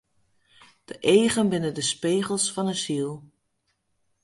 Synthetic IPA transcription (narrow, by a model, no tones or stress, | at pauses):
d̥əʔeːχənbɪnədəspeːχəlˠsfɑnəsilˠ